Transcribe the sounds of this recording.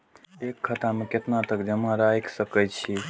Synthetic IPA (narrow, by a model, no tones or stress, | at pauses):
ekʰːət̪ameket̪nat̪əkd͡ʒəmãɾajksəkəjt͡ʃʰi